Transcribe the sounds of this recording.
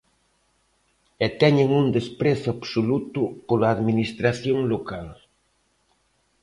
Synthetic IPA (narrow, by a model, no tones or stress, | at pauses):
et̪ɛɲeŋuŋd̪espɾeθoabsolut̪ʊpolaːðminist̪ɾaθjoŋlokal